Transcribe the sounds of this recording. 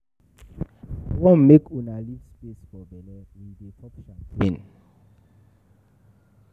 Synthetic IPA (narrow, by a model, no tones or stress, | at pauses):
wɔ̃nmːekʰunalifspesfɔbɛlɛĩndekʰɔpʃãpʰẽn